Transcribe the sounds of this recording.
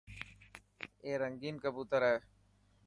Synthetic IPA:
eːɾɐŋɡiːnkɐbuːt̪əɾɦɛː

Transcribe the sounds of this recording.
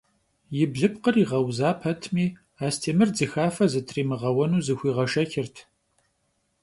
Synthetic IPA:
jɪbɮɨpqəriːʁɐwzaːpʰɐtʰmiː | aːstʰeːmɨrd͡zɨxaːfɐzɨtʰriːmɨʁɐwɐnuːzɨxʷiːʁɐʂɐxɪrtʰ

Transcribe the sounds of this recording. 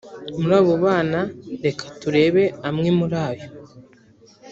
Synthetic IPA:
muɾaːβo̞βaːnaɾe̞kʰḁtuɾe̞ːβe̞amŋemuɾaːβjo̞

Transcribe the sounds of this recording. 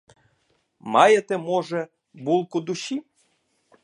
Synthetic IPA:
mɑjet̪emoʒe | bulˠkud̪uɕi

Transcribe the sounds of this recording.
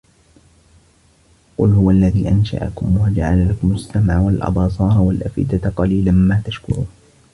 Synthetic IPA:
qʊ̰lhʊwalːaðiːʔanʃa̰ʔa̰kʊmwad͡ʒaʕalalakʊmʊsːamʕwalʔɑ̰b̪ɑːsˤɑːɾˤwalʔa̰fʔɪ̰d̪aqɑliːlanmaːt̪aʃkʊ̰ɾuːn

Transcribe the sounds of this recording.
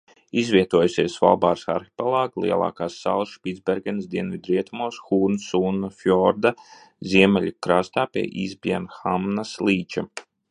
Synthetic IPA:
izvʲiɛt̪uɔjusʲiɛsva̰lˠbaːɾsa̰ɾxʲi̥pɛlˠaːɡlˠḭɛlˠa̰ːkaːsːa̰lˠsʃpʲitd̪zbʲɛɾɡʲɛnsd̪ʲiɛnvʲid̪ɾiɛt̪umuɔsxuːɾnsuːnafjɔɾd̪a | zʲiɛmɛlʲikɾaːst̪aːpʲḭɛʔiːzbʲiɛnxamnaslʲˠiːt͡ʃa

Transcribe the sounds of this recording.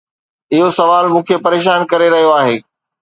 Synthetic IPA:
ɪɦosɐʋaːlmũːkʰepɐɾeːʃaːnkɐɾeɾɐɦijoaːɦeː

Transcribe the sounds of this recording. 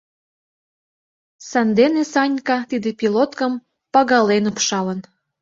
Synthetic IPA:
sɑnd̪enesɑnʲkɑt̪id̪epilot̪kəm | pɑɣɑlenopʃɑlən

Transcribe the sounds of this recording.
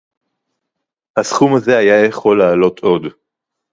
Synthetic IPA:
hasχumaze̞ajajeχo̞lːaːlo̞t̪ʰo̞d̪

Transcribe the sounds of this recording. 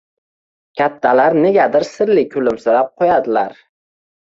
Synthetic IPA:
kʲʰat̪ʰːalaɾne̞ɡʲad̪ɪɾsɪɾlɪkʲʰʊlɪmsʊɾap̚qʰojad̪ɪlaɾ

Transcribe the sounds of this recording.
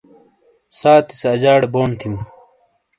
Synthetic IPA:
saːt̪ʰiseɐd͡ʑaːɽeboːnt̪ʰimu

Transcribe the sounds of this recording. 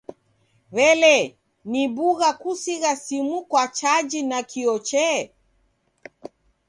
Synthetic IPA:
βɛlɛ | nibuɣakusiɣasimukwat͡ʃad͡ʒinakiɔt͡ʃɛ

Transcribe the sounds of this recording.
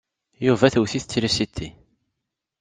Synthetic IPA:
juvæθəwθiθət͡sːɾisit̪ʰːi

